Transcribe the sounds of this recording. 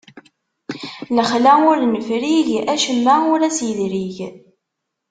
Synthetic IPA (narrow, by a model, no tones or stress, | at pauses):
ləχlæʊɾnəfɾiʝæʃəmːæʊɾæsjðɾiʝ